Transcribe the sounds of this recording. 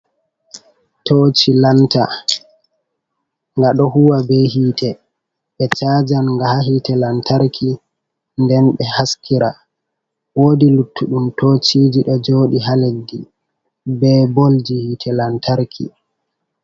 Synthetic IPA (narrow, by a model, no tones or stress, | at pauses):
tot͡ʃilanta̰ | ŋɡaɗɔhuwabɛɦiːtʰɛ | ɓɛt͡ʃad͡ʒanŋɡahaɦitɛlantʰaɾkʰi | ndɛnɓɛhaskʰiɾa | woːdilutʰːuɗumtot͡ʃiːd͡ʒiɗɔd͡ʒoːɗiɦaledːi | bɛbold͡ʒihiːtʰɛlantʰaɾkʰḭ